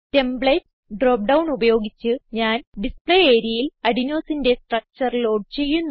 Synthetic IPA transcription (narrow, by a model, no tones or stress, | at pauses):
te̞mbɭeːʈs | ɖro̞ːp̚ɖɐwɳubɐjo̞ːɡit͡ɕːɨɲaːnɖispɭeeːɾjɐjilɐɽino̞ːsinde̞sʈrɐk̚t͡ɕɐrlo̞ːɖt͡ɕe̞jːunː